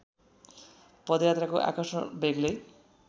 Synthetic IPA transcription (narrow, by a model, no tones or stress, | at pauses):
pɔd̪jat̪ɾakoʔa̰kɔsnɔbeɡlej